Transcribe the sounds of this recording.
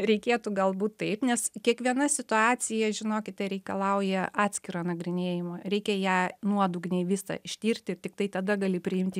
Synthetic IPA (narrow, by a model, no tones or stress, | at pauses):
ɾʲɛɪkʲeːt̪uɡɐlˠbuːt̪t̪ɐɪpnʲɛskʲiɛkʋʲiɛnɐsʲɪt̪ʊɑːt͡s̪ʲɪjɛʒʲɪnoːkʲɪt̪t̪ɐɪɾʲɛɪkɐlˠɐʊjɛʔɑːt̪ʲsʲkʲɪɾoːnɐɡɾʲɪnʲeːjɪmoːɾʲɛɪkʲɛjæːnuɔd̪ʊɡnʲɛɪʋʲɪsɐ̰ɪʃʲt̪ʲiːrʲtʲɪɪrt̪ʲɪkt̪ɐɪt̪ɐd̪ɐɡɑlʲɪpʲɾʲɪɪmʲt̪ʲɪ